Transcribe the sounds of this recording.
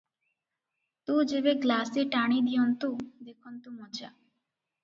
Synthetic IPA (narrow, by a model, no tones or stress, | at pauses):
t̪ũd͡ʒeβeɡlaseʈaɽ̃id̪ijɔnt̪ud̪ekʰɔnt̪umɔd͡ʒa